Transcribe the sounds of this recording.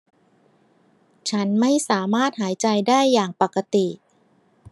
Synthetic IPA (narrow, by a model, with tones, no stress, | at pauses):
t͡ɕʰa˦˥nma˥˩jsaː˩˦maː˥˩t̪̚haː˩˦jt͡ɕa˧jdaː˥˩jːaː˨˩ŋpa˨˩ka˧t̪i˨˩